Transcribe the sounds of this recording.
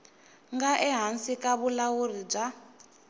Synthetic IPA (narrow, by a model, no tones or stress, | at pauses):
ŋɡaʔɛɦansikʼaβulawurib͡ʐa